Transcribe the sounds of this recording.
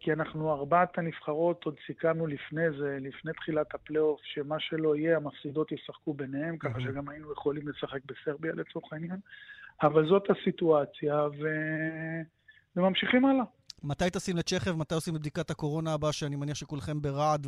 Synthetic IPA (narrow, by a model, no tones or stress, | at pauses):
kianaχnuaʁbat̪ʰanifχaʁo̞t̪od̪sikanulifne̞ze̞lifne̞jt̪χilat̪hapleo̞fʃe̞maʃe̞lo̞ije̞amafsid̪o̞t̪jesaχkube̞nehe̞mkaχaʃeɡamainujeχolimlesaχe̞k̚be̞se̞ʁbialet͡so̞ʁχainjanavalzo̞t̪asit̪uat͡sjave̞ | vemamʃiχimala | mat̪ajt̪eosimleʃe̞χevmat̪ajo̞simleb̚d̪ikat̪hako̞ʁo̞naːbaʃeanimaniaχʃekulχe̞mbeʁad̪